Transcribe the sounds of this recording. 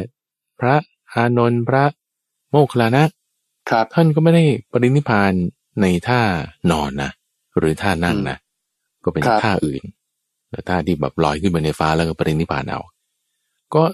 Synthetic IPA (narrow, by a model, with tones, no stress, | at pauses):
pʰɾa˦˥ʔ | ʔaː˧no˧npʰɾa˦˥ʔ | moː˥˩kʰa˧la˧na˦˥ʔ | kʰt̪ʰa˥˩nkɔː˥˩ma˥˩jha˥˩jpa˧ɾi˦˥ni˦˥˩pʰaː˧nː | a˧jt̪ʰaː˥˩ɔː˧nːa̰˦˥ | ɾɯː˨˦t̪ʰaː˥˩na˥˩ŋna̰˦˥ | kɔː˥˩pe˧ntʰaː˥˩ʔɯ̰ː˨˩n | lɛ˨˩t̪ʰaː˥˩t̪ʰiː˥˩bɛ̰ː˨˩p̚lɔ̰ː˧jkʰɯ˥˩npa˧jna˧jfaː˦˥lɛː˧˦˥kɔː˥˩pa˧ɾi˦˥ni˦˥pʰa̰ː˧nʔa̰˧w | kɔː˥˩